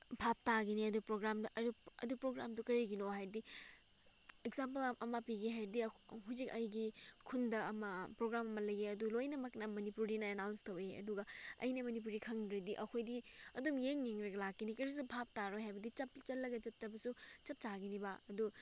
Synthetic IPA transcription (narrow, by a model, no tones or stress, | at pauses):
bʱap̚taɡiniɐdupɾoɡɾamɐ̰dupɾoɡɾamdukɐɾiɡinoɦajɾdi | ekzampɐlʔɐmapiɡiɦajɾdiɦuzikɐjɡikʰundɐɐmɐpɾoɡɾamɐmɐlɐjɡeɐdulojnɐmɐknɐmɐnipuɾinɐenawnstɐweɐ̰duɡɐɐ̰jnɐmɐnip̬uɾikʰɐŋdɾɐdiʔɐkʰojdiɐdumjeŋjeŋɾɐɡɐlakːinikɐɾis̬ubʱap̚taɾojɦajbɐdit͡ʃɐpt͡ʃɐlːɐɡɐt͡ʃɐtːɐbɐsut͡ʃɐp̚t͡ʃaɡinibaɐdu